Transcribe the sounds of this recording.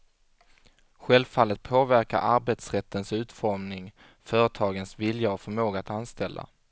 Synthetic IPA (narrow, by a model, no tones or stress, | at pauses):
ɧɛlvfalːət̪̚pʰoːvæɾka̰ɾʔaɾbeːt̪sɾɛt̪ʰːənsʉ̟ːt̪fɔɾmnɪŋ | fœːɾət̪ʰɑːɡənsvɪljaɔfœɾmoːɡaat̪anst̪ɛlːa̰